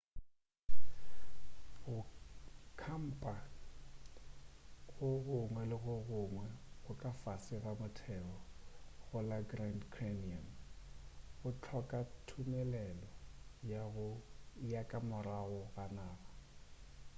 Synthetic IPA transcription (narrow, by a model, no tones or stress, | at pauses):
ɣʊ | kʰam̩pʼa | ɣʊɣʊŋwɛlɪɣʊɣʊŋwɛɣʊkʼafasɪɣamʊtʰɛɣɔɣʊlaɡrandkʰremiam | ɣʊt͡ɬʰɔkʼatʰumɛlɛlɔ | ɣʊjakʼamʊraɣʊɣanaːba